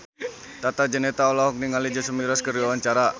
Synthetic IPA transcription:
t̪at̪ad͡ʒənɛt̪aɔlaɦɔk̚niŋalid͡ʒəsəmiɾaskəriwawaɲt͡ʃaɾa

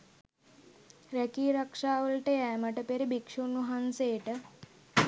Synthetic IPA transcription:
ɾɛkiːɾɐkʂaːʋəlʈeɛməʈəpeɾebikʂunuɦanseːʈə

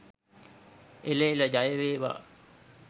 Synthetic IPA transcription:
eleːləd͡ʒajəʋeːʋa̰

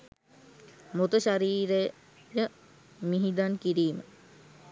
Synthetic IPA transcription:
mot̪əʃaɾiːɾe | jə | miɦid̪ankiɾiːmə

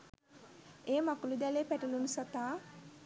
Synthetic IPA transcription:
eːmakulud̪ælepæʈulunusat̪aː

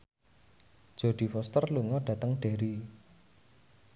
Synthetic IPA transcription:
d̥ʒ̥o̤ɖ̪̥i̤fɔst̪ərluŋɔɖ̥ä̤t̪əŋɖ̥eɾi

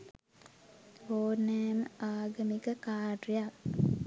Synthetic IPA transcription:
oːnɛːməaːɡəmikəkaːɖijak

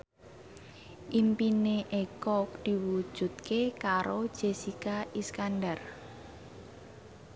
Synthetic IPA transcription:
ʔimpineʔekɔk̚d̪̥i̤wud̥ʒ̥ṳt̪̚kekaɾod̥ʒ̥esikaʔiskandar

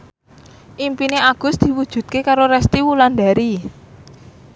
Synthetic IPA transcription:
ʔimpineaɡ̥ʊ̤sd̪̥i̤wud̥ʒ̥ṳt̪̚kekaɾoɾɛst̪iwuland̪a̤ɾi

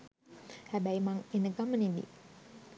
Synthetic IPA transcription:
habaimaŋinəkamənidḭ

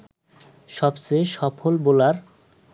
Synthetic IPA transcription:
ʃɔbseʃɔpʰolbolaɾ

